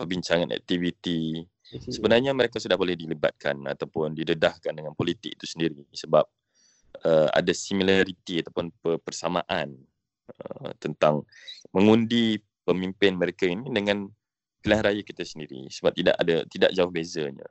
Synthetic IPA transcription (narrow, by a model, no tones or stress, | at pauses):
pərbiɲt͡ʃaŋanʔɛ̰k̚t̪ivit̪i | səbənarɲaməɾekasudahbolɛhdiləba̰t̪̚kʰa̰na̰t̪awpʊndidədahkandəŋanpolit̪ɪk̚it̪u̥səndiɾisəbap̚ | əa̰dasimilaɾit̪iat̪apʊnpəpərsamã̰ʔan | ə̰t̪ənt̪aŋ | məŋundi | pəmimpɪnməɾekainidəŋan | pilaŋɾajakit̪asəndiɾḭsəbap̚t̪ida̰ʔa̰dat̪ida̰ʔ̚d͡ʒaʊhbezəɲa̰